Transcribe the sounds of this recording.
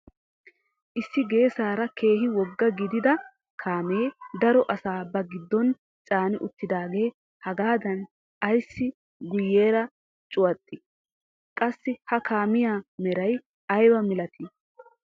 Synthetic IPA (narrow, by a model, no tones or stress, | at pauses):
ʔɪsːɪɡe̞ːsaːɾɐkʰe̞ːɦɪwɔɡːɐɡɪd̪ɪd̪ɐ | kʰaːmeːd̪ɐɾɔʔɐsaːbɐɡɪd̪ːɔn | t͡sʼaːnɪʔʊt̪ːɪd̪aːɡe̞ː | hɐɡaːd̪ɐn | ɐjsːɪ | ɡʊjːe̞ːɾɐ | t͡ʃʼʊwɐt̪ʼːɪ | kʼɐsːɪhɐkaːmɪjaːmɛɾɐj | ɐjbɐmɪlɐt̪ʰɪ